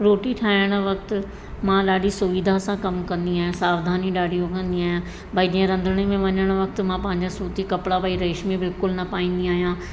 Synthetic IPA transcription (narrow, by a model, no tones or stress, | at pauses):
ɾoːʈiʈʰaːɪɽ̃ʋɐk̚t̪ | mãːɗaːɖisʊʋiːd̪ʱasãːkɐmkɐ̃nd̪iaːɦjãːsaːʋd̪ʱaːniɗaːɽijõkə̃nd̪iaːjãː | baid͡ʒiãɾə̃nd̪ʱɽ̃emẽʋɐɲəɽ̃ʋɐk̚t̪mãːpɐ̃ːɪ̃ɲd͡ʑasuːt̪ikɐpɽapaːiɾɐɪʃmibɪlkʊlnɐpaːĩːnd̪iaːɦijãː